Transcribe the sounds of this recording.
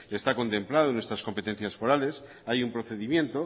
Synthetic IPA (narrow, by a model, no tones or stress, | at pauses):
est̪ako̞nt̪e̞mplaðonwe̞st̪ɾasko̞mpe̞t̪e̞n̟θjasfo̞ɾale̞s | ajumpɾoθe̞ðimjẽ̞nt̪o̞